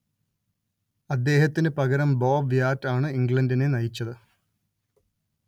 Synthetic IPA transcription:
ɐd̪ːe̞ːɦɐt̪ːinɨpɐɣɐɾɐmboːbjaːtːaːɳɨiŋɡɭɐndinenɐjit͡ɕːɐðɨ

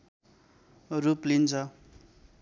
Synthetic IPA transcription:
ruplint͡sʰʌ

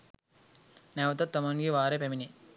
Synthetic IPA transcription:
neʋɐt̪ɐt̪ːɐmɐŋɡiʋaːɾepemini

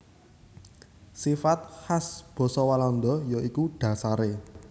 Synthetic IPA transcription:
sifat̪̚hasb̥ɔ̤sɔwalɔnd̪ɔ̤jɔikuɖ̥ä̤saɾe

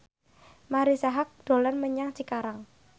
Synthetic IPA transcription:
maɾisaɦak̚d̥o̤lanməɲaŋt͡ʃikaɾaŋ

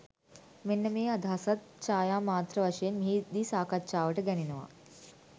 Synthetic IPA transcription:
menːɐmeːɐd̪ʱɐsɐt̪̚t͡ʃaːjaːmaːt̪ɾɐʋɐʂɐjɐnmiɦid̪iːsaːkɐt̪̚t͡ʃaːʋɐʈɐɡɛninɐʋa̰

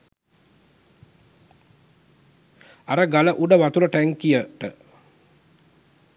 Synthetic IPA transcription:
aɾəɡaləʔuɖəʋat̪uləʈæŋkːijəʈə

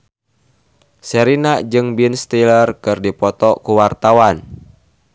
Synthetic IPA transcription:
sɛɾinad͡ʒɨŋbinst̪ilərkɨrdipɔt̪ɔkuwart̪awan

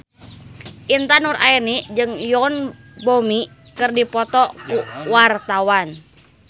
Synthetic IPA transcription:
ʔint̪anurʔa̰irnid͡ʒɨŋjɔn | bomi | kɨrdipɔt̪ɔkuwart̪awan

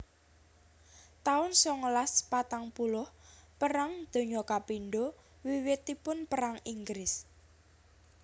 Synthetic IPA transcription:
t̪aʊnsɔŋəlaspat̪aŋpulʊhpəɾaŋd̪̥o̤ɲɔkapinɖo | wiwɪt̪ipʊnpəɾaŋiŋɡɾɪs

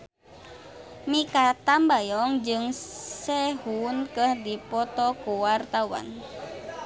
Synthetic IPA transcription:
mikat̪ambajɔŋd͡ʒɨŋsɛhunkəhdipɔt̪ɔkuwart̪awa̰n

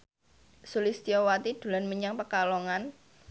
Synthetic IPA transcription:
sulɪst̪iowat̪id̪̥ṳlanməɲaŋpəkaloŋan

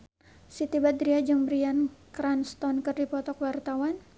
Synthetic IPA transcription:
sit̪ibad̪ɾiad͡ʒəŋbɾiankɾanst̪ɔnkɨrdipɔt̪ɔkwart̪awan

